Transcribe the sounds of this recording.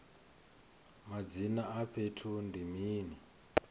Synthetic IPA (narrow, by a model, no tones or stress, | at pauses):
mad͡zinaapʰetʰundimiːni